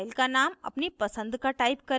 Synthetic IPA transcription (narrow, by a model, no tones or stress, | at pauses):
jlkanama̰pniːpəsənd̪kaʈaipkəɾ